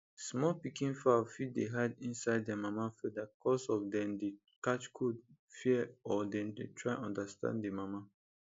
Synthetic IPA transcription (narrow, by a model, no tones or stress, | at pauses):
smɔpikĩnfafit̚deɦaɪdĩnsaɪd̚ɛmamafɛdakʰɔsɔfdɛ̃mde | kat͡ʃkʰud̚fiɛɔdɛ̃ndetʰɹaɪɔ̃ndastã̰nddemama